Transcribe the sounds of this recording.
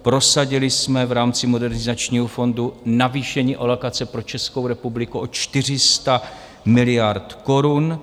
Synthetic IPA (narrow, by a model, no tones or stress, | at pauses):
pɾo̞saɟɪlɪsmɛvɾaːmt͡sɪmo̞dɛɾnɪzat͡ʃɲiːɦofo̞ndunaviːʃɛɲiːʔolokat͡sɛpɾo̞t͡ʃɛskowɾɛpublɪkuʔo̞t͡ʃt̪ɪr̝ɪst̪a | mɪlɪjaɾt̪ko̞ɾun